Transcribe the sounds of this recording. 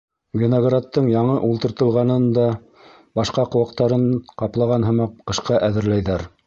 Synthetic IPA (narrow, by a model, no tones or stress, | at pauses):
ɡʲinoɡrat̪ːɤɴjɑɴɤʔulˠt̪ɤ̆ɾt̪ɤ̆lˠʁɑnɤnd̪ɑ | bɑʃqɑqŏwɑq̚t̪ɑɾɤɴqɑplˠɑʁɑnɦɤ̆mɑqqɤ̆ʃqɑʔæðɘ̆ɾlæjðæɾ